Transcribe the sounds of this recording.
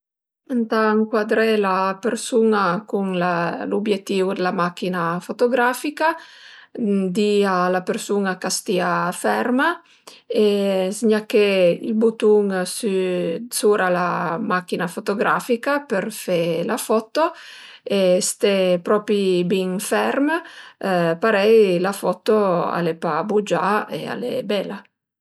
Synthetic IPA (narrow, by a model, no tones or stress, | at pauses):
ant̪aŋkwad̪ɾelapersunakuŋlalubjet̪ːiud̪elamakinafot̪oɡɾafika | d̪ialapeɾsunakast̪iafɛrma | esɲakːeḭlbut̪uŋsysuːɾalamakːinafot̪oɡɾa̰fikapeɾfelafɔt̪ːo | est̪epɾɔːpɾibiŋfɛrm | paɾɛjlafɔt̪ːoa̰lepabud͡ʒaḛa̰lḛbɛla